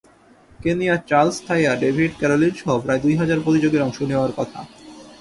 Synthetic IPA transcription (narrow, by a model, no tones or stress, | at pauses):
kenijat͡ɕaɾlst̪ʰajaɾɖebʱiɖkɛɾolinʃɔɦobpɾaed̪ujɦad͡ʑaɾpɾot̪id͡ʑoɡeɾɔŋʃoneoaɾkɔt̪ʰa̰